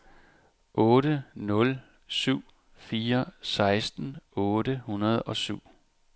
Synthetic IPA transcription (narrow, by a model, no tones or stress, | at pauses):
ʔɔ̽ːɾənɔ̽l | syʊ̰ | fiːɐsɑ̈ɪsd̥n̩ɔ̽ːdəhunɐð̞ˠɒ̽syʊ̰